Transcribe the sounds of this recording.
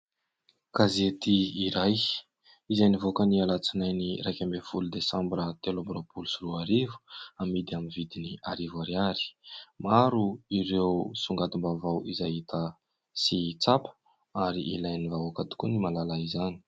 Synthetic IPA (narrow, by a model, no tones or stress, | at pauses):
ɡ̥azet̪iːɾaj | izajnivokənialat͡sinajnirajkʲambefulud̪esambɾət̪elombɾopulusiruaɾivu̥amid̪iaminvid̪iniaɾivaɾiaɾi̥maɾuiɾewsuŋɡad̪umbavawizaɦit̪ʰə | sit͡sapə̥ | aɾiʔḭlajnivawakat̪i̥kunimalalaizani̥